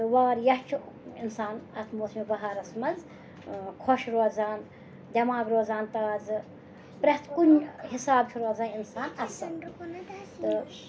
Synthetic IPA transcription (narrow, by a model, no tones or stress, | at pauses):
t̪ɨʋaːɾjɐht͡ʃʰu | insaːnɐt̪ʰmoːsmibɐɦaːɾɐsmɐz | kʰoʃɾoːzaːn | d̪ʲɐmaːɡɾoːzaːnt̪aːzɨ | pɾɐht̪ʰkunhisaːbt͡ʃʰuɾoːzaːninsaːnɐs | ɨ